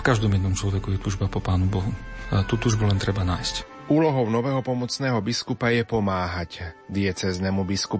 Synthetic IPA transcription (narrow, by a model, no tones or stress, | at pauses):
fkaʒd̪ɔmjɛd̪nɔmt͡ʃlɔʋɛkujɛt̪uːʒbapɔpaːnubɔɦut̪uːt̪uːʒbulɛnt̪ɾɛbanaːjsc | uːlɔɦɔʊnɔʋɛːɦɔpɔmɔt͡snɛːɦɔbiskupajɛpɔmaːɦacd̪ɪɛt͡sɛːznɛːmubiskup